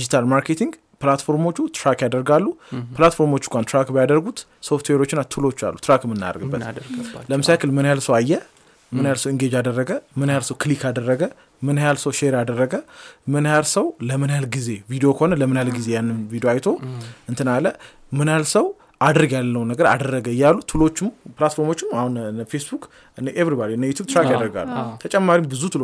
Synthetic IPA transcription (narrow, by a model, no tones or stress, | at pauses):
d̪id͡ʒit̪ʰalmaɾke̞t̪ʰiŋɡ | plat̪fo̞ɾmo̞t͡ʃːut̪ɾakjad̪əɾɡalːuplat̪fo̞ɾmo̞t͡ʃːɪŋkʷʼant̪ɾakbəjad̪əɾɡut̪ | so̞ft̪ʰweɾo̞t͡ʃːɪnat̪ʰulo̞t͡ʃːa̰lːut̪ɾakmːɨnːa̰d̪ə̰ɾɡɨbːət̪ləmɨsakɨlmɨnajalsəwajːɛ | mɨnajalsəwɨŋɡed͡ʒad̪ərːəɡəmɨnajalsəwkʰlikad̪ərːəɡə | mɨnajalsəwʃeɾad̪ərːəɡəmɨnjalsəwləmɨnalɡize̞vid̪ijokʰəhonələmɨnalɡize̞janːɨnvid̪ijoajt̪ʰo̞ɨnt̪ʰɨnalə | mɨnalsəw | ʔad̪ɾɨɡjalːəwnəɡəɾa̰d̪ərːəɡəjːalːut̪ʰɨlo̞t͡ʃːɨmpɨlat̪fo̞ɾmo̞t͡ʃːɪmahunfesbuk | ɨnʔevɾibad̪iɨnːəjut̪ʰub̚t̪ʰɾakjad̪əɾɡa̰lut̪ʰət͡ʃʼɛmːaɾimbɨzut̪ʰɨl